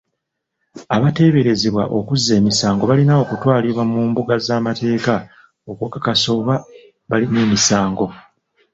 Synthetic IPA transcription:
aβate̞ːβe̞ɾe̞zeβwaʔokuzːe̞ːmisaːŋɡo̞βalinao̞kutwaːliβwamuːmbuɡazaːmate̞ːka | okwokakaso̞ːβa | βalineːmisaːŋɡo̞

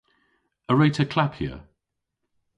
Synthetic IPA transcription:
əɹeɪtʰəkʰl̥apʰhḭə

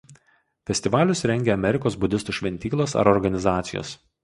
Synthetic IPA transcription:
fʲɛsʲt̪ʲɪʋɑːlʲʊsɾʲɛŋʲɡʲeːɐmʲɛɾʲɪkoːsbʊd̪ʲɪst̪uːʃʲʋʲɛnʲt̪ʲiːklˠosɐ̰ɾɔɾɡɐnʲɪzɑːt̪sʲɪjo̰ːs

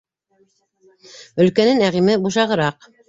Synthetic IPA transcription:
ɵ̆lkænɘnæʁimɘbuʃɑʁɤ̆ɾɑq

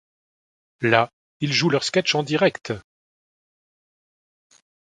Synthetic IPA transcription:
la | ilʒulœʁskʲɛt͡ʃɑ̃d̪iʁɛkt̪

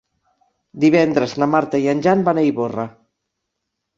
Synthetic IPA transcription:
d̪iβɛnd̪ɾəznamaɾt̪aianʲʒanbaneiβora

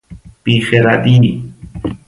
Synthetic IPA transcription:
pixeɾad̪i

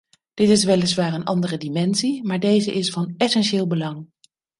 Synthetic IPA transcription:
d̥ɪtɪs̬ʋɛlɪsʋaːɹənʔɑ̰ndərədimɛnsimaːɹdejzəʔɪsfɑnɛsɛnʃɪːlˠbəlɑŋ

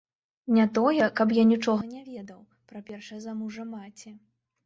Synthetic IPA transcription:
nʲat̪ɔjɛkɐp̬janʲit͡ʂɔɣɐnʲɛvʲɛd̪ɐw | pɾɐpʲɛrʂɛzɐmuʐɐmat͡sʲɛ

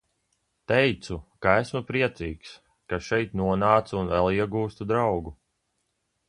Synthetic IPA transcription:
t̪ɛjt̪sukaæsmupɾiɛt̪siːks | kaʃɛjt̪nuɔnaːt̪sunvælˠiɛɡuːst̪ud̪ɾawɡu

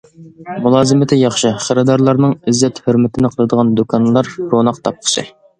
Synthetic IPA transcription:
mulˠɑːzɨmɪt̪ʰɪjɑχʃɨχəɾɨd̪ɑɾlˠɑɾnɨŋizːɛt̪høɾmɛt̪ʰɪnɪqʰəlˠɨd̪əʁɑnd̪okʰɑnlˠɑɾɾonɑqt̪ʰɑp̚qʰə̥ʃɨ̰

